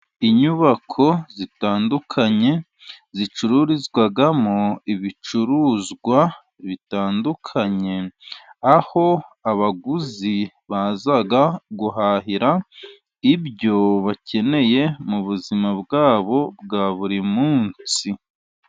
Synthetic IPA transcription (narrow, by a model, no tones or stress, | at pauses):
iɲuβakʰo̞zitaːndukʰaɲe̞ | zit͡ʃuɾuɾizɡwaɡamoiβit͡ʃuɾuːzɡwa | βitaːndukʰaɲe̞aho̞aβaɡuzi | βazaɡaɡuɦaɦiɾa | ibjo̞βace̞ne̞je̞muβuzimabɡaːβo̞b̚ɡaβuɾimuːnt͡si